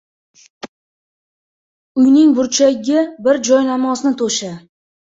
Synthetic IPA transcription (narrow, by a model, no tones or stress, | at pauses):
ʊjnɪŋbʊɾt͡ʃʰaɡʲabɪɾd͡ʒɒjnamɒsnɪt̪ʰoʃa